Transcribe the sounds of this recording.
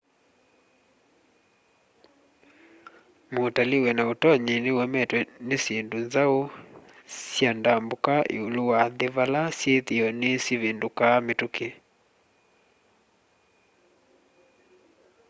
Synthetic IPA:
motalewɛnaotɔɲenewɛmɛtwɛnesendonzao | sjandambokaʔḛoluwaðeβalasjeðiɔnesiβendokametuke

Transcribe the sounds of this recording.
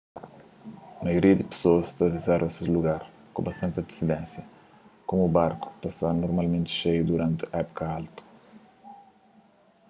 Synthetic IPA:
ɐmajoɾiɐd̪ɪpe̥soɐst̪adizɛɾvɐsiluɡaɾ | kõ̰bɐst̪ɐ̃nt̪ɐd̪isid̪ɛ̃nsjɐ | komubaɾku̥t̪ast̪aɾnoɾmalmẽnt̪ɪ̥ʃejud̪uɾɐ̃nt̪ɪɛpo̥kɐalt̪u̥

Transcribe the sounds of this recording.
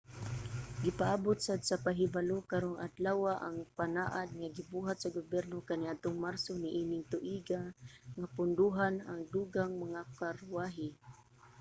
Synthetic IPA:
ɡɪpaʔabʊt̪̚sad̪sapaɦɪbalokaɾoŋʔa̰d̪lawaʔa̰ŋpanaʔad̪̚ŋaɡɪbuɦat̪̚saɡʊbɛrnokaniʔat̪ʊŋmarsoniʔinɪŋt̪ʊʔiɡaŋapʊnd̪uɦanaŋd̪uɡaŋmaŋakarwaɦɪ

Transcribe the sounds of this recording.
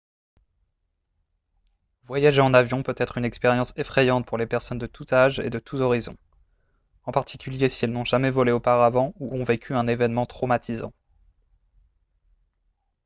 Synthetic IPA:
vwajaʒeɑ̃navjɔ̃pøt̪ɛt̪χynɛkspeʁjɑ̃sefχɛjɑ̃t̪̚puʁlepɛʁsɔnd̪ət̪ut̪aʒḛd̪ət̪ʰut̪ɔʁizɔ̰̃ | ɑ̃paʁt̪ʰikʲyljesiɛlnɔ̃ʒamɛvɔleopaʁavɑ̃uʔɔ̃vekʲʰyɛ̃nevɛnmɑ̃t̪χɔmat̪ʰizɑ̰̃

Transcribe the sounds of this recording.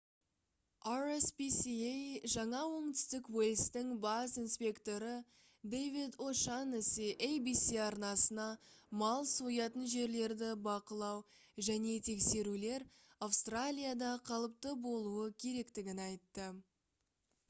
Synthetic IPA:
aɾespisiejʒɑɴɑwo̞ɴt̪ʏ̥st̪ɪkwelʲst̪ɪŋbasinspʲe̞kt̪o̞ɾə | d̪ejvid̪oʃanɪsiʔejbisiɑɾnɑsənɑmɑlˠsojɑt̪ənʒe̞ɾle̞ɾd̪ɪbɑqəlˠɑw | ʒæne̞t̪ʰe̞kse̞ɾule̞ɾ | awst̪ralʲijad̪ɑqʰɑlˠəp̚t̪əbo̞lˠuəkʲʰe̞ɾe̞kt̪ɪɡʲɪnɑjt̪ːə

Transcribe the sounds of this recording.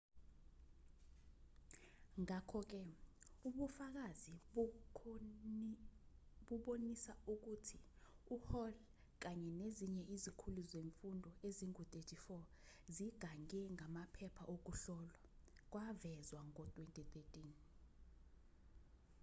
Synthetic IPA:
ŋakʰɔk̬ɛuɓufak̬azi | ɓuɓonisauk̬utʰi | uhɔl | k̬aɲɛneziɲɛʔizikʰuluzeɱfundʱɔeziŋutʼetʰifɔ | ziɡ̥ʱaŋɛŋamapʰɛpʰaʔok̬uɬɔlwak̬wavɛzwaŋɔtʼwentʼitʼetʼiːn

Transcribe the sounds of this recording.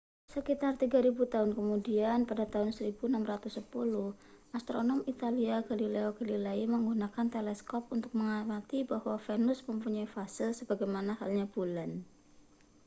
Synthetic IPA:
səkit̪art̪iɡaɾibut̪aɦʊnkəmudianpadat̪aɦʊnsəɾibunamrat̪ʊsːəpulʊh | ʔast̪ɾonɔmit̪aliaɡalileoɡ̥alilaiməŋɡunakant̪elɛskɔp̚unt̪ʊk̚məŋamat̪ibahwafenʊsməmpuɲaifasɪlsəb̥aɡajmanahalɲab̥ulan

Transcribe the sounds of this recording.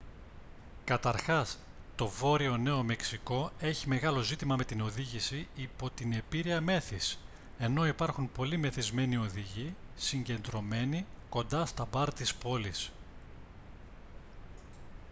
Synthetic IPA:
kɐt̪ɐɾxɐs | t̪o̞vo̞ɾio̞ne̞o̞me̞ksiko̞e̞çime̞ɣɐlo̞zit̪imɐme̞t̪ino̞ðiʝisiipo̞t̪ine̞piɾiɐme̞θis | e̞no̞ipɐɾxunpo̞lime̞θizme̞nio̞ðiʝisiɲɟe̞nd̪ɾo̞me̞niko̞nd̪ɐst̪ɐbɐɾt̪ispo̞lis

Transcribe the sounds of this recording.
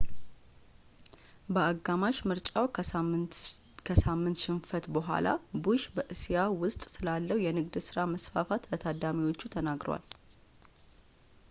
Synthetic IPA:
bəaɡːamaʃmɨɾt͡ʃʼaw | kʰəsamːɨnt̪ʃɪnfət̪bəɦʷa̰la̰buʃbəʔɨsijawʊst̪ʼsɨlalːəwjɛnɨɡd̪sɨɾaməsfafat̪lət̪ʰad̪amiwo̞t͡ʃːut̪ʰənaɡɾə̰wa̰l

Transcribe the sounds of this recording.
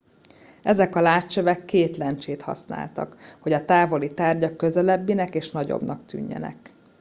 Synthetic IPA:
ɛzɛkɒlaːt͡ʃːøvɛkːeːt̪lɛnt͡ʃeːt̪hɒ̰sna̰ːlt̪ɒ̰kho̞ɟɒt̪aːvo̞lit̪aːrɟɒkːøzɛlɛbːinɛkeːʃnɒɟo̰bnɒkt̪y̰ɲːɛ̰nɛ̰k

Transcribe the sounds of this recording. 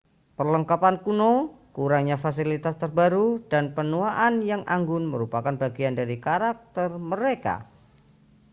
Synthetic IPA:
pərləŋkapankunokuɾaŋɲafasilit̪ast̪ərbaɾudanpənuaʔanjaŋʔa̰ŋɡʊnmə̰ɾupakanbaɡiandaɾikaɾak̚t̪ərməɾeka̰

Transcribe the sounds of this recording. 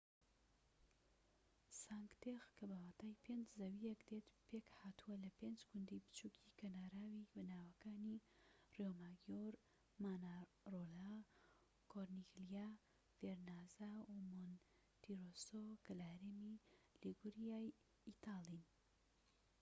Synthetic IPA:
saŋɡt̪exkɐbɐwaːt̪aːjpʰend͡ʒzɐwijɛkd̪et̪pekhaːt̪uwɐlɐpend͡ʒɡʊnd̪ibɨ̥t͡ʃukʰikɐnaːɾaːwibɐnaːwɐkaːnirjomaːɡjoɾ | maːna | rola | koɾniɡlija | veɾnazaumon | t̪iɾosokɐlɐhɐɾeːmiliɡuɾijaːj | it̪aːlin

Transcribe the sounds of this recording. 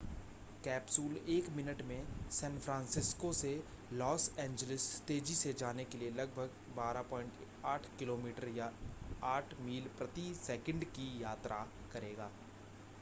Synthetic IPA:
kɛːpsuːleːkmɪnəʈmẽsɛ̃ːnfʰɾãːnsɪskose | lɔːsɛ̃ːɲd͡ʒəlɪst̪eːd͡ʒised͡ʒaːnekelielɐɡ̚bʱəɡ | baːɾapɔːɪ̃ɳʈ | aːʈʰkɪloːmiːʈəɾjaaːʈʰmiːlpɾɐt̪isɛːkə̃ɳɖkijaːt̪ɾʔa | kɐɾeːɡaː

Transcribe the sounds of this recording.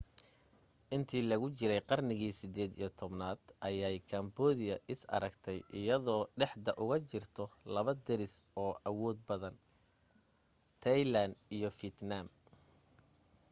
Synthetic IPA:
ʔɪnt̪ʰiːlɐɣʊt͡ʃɪɾɛjqɑrnɪɣiːsɪd̪ɛːd̪ḭjɞt̪ʰɔbnaːd̪ʔɐjajkʰɐmbɔːðɪjɐʔɪsɐ̰ɾɐɡt̪ʰɛjʔɪjɐðɔːɖɛħd̪ɐʔʊɣɐt͡ʃɪrt̪ʰɔlɐβɐd̪ɛɾɪsɔːʔɐwɔːd̪̚bɐðɐn | t̪ʰɐjland̪ijɞfiɪt̪naːm

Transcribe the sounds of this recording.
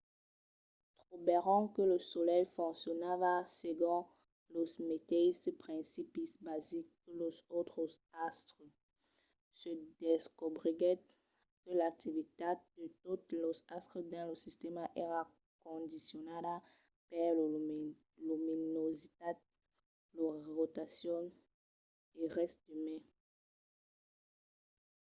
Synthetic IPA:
t̪χobeʁɑ̃kələsolɛjfɔ̃sjɔnavaseɡɔ̃ | losmet̪esəpχɛ̃sipisbazik̚ | lozot̪χozast̪ʁə | səd̪eskobʁiɡɛ | kəlak̚t̪ivit̪ad̪̥ətut̪lɔzast̪χəd̪ãləsist̪ɛmaʔɛʁa | kɔ̃d̪isjɔnada | pɛ | luminozit̪a | lɔʁot̪asjɔ̃ | eʁɛst̪̚d̪əmɛ̃

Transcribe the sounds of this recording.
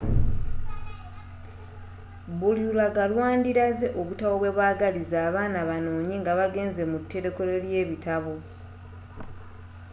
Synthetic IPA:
buliulaɡalwaːndiɾaze̞ʔo̞βutawoβwe̞βwaːɡalizaːβaːnaβano̞ːɲeŋɡaβaɡe̞ːnze̞mutːe̞ɾe̞ko̞le̞lje̞ːβitaβo̞

